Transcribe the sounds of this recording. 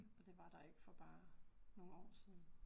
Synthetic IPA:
ɒ̽d̥e̝ʋɑ̈d̥ɑ̈e̝ɡ̥əfɒ̽b̥ɑ̈ːno̝ːn̩ɒ̰ːsiːn̩

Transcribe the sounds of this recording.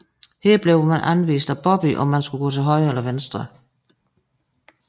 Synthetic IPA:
heɐb̥leʊmænʔænʋḭːsd̥æb̥ɒ̽b̥iʔɒ̽mːænsɡ̥uɡ̥ɔ̰̽ːt͡sʰe̝lɦɒ̽ɪelɐʋensd̥ʁɐ

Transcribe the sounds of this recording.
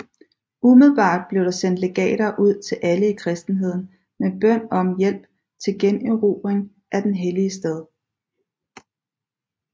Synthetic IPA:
umið̞lˠb̥ɑ̰̈ːd̥̚b̥le̝ʊɾ̥ɑ̈sen̰d̥le̝ɡ̥ɛ̰ːɾ̥ɐːʔuð̞̰ˠt͡sʰe̝lʔæləikʰʁɛsd̥n̩ɦe̝ð̞̰ˠn̩ | meb̥œn̰ɒ̽mjel̰b̥ | t͡sʰe̝lɡ̥eniʁuːb̥ʁeŋ | ʔæd̥enɦeliəsd̥eð̞ˠ

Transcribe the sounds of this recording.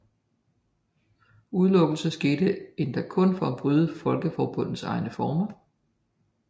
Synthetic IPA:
uð̞ˠlɔ̽ɡ̥l̩sɐsɡ̥e̝ːdəe̝nd̥ækʰɔ̽nfɒ̽b̥ʁyðˠəfɒ̽lɡ̥əfɒːb̥ɔ̽n̰ð̩sɑ̈ɪnəfɒːmɐ

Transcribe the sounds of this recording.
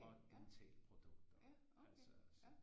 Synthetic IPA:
ɒd̥di̥t͡sʰɛ̰ːləpʰʁo̝d̥ɔ̽ɡ̥d̥ɐ | ælsɒs

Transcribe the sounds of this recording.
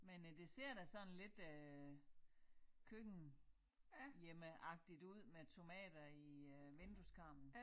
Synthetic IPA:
mend̥e̝se̝ɐ̰ɾ̥æsɒ̽nle̝d̥ø | kʰøɡ̥n̩ | jeməʔɑ̈ɡ̥̚d̥id̥uð̰ˠmet͡sʰo̝mɛ̰ːd̥ɐiʋend̥uskʰɑ̈m̰b̥n̩

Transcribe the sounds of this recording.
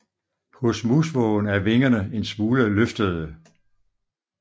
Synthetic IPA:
pʰɔ̽smusʋɔnæɐʋe̝ŋɐnəe̝nsmuːləløfd̥əð̩ˠə

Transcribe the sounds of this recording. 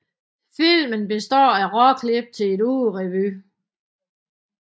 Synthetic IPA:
fil̰mənb̥e̝sd̥ɒ̰ːæʁɒkʰleb̥̚t͡sʰe̝le̝ɾuːð̩ʁɛʋy

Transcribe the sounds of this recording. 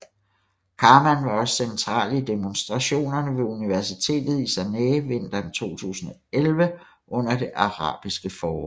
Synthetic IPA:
kʰɑ̈ːmænʋɑ̈ɒ̽ssent͡sʰʁɑ̰̈ːlid̥emonsd̥ʁɑ̈ɕo̝̰ːnɐnəʋe̝uniʋæɐsit͡sʰe̝̰ːd̥ð̞̩ˠisæneːʋen̰d̥ɐmt͡sʰo̝̰ːt͡sʰṵːsn̩ɒelʋə | ʔɔ̽n̰ɐd̥e̝ʔɑ̈ʁɑ̰̈ːb̥isɡ̥əfɒːʁɔm

